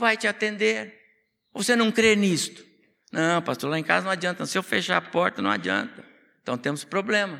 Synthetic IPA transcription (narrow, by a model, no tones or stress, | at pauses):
vajt͡ʃɪat̪ẽnd̪eɾ | ovosenɐ̃w̃kɾenist̪ʊ̥ | nɐ̃w̃past̪oɾlaẽka̰zɐnɐ̃w̃ad͡ʒĩt̪ɐ̃sɪewfeʃa̰ɾapɔɾt̪ɐnɐ̰̃w̃ad͡ʒiɐ̰̃nt̪ɐ | ẽt̪ɐ̃w̃t̪ẽmʊspɾoblẽmɐ